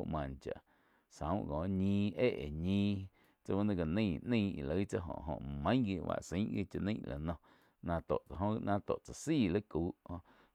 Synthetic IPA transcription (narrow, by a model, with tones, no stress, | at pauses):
ʔmã˨nt͡ʃa̰˨ʔ | sã˨˦wɡɔ̃ː˨ɲĩː˧e˦˨ʔe˨ɲĩː˦ | t͡sa˧wa˦nã˧ɡa˨nĩ˦˧˨ʔnĩ˦˧˨i˨lə˨˦t͡sa˦ɦõ̰˨ʔɦõ̰˨ʔmə̃˦ɡi˧˨wa̰˧˨ʔsĩ˨˦ʔɡi˦t͡ʃa˧nĩ˦ʔla̰˨nɔ̃˧ | nã˧t̪o˨ʔt͡sa˨ɦõ˦˧nã˧t̪o˨ʔt͡sa˨siː˦˨lə˦kuː˨˦ʔhõ˧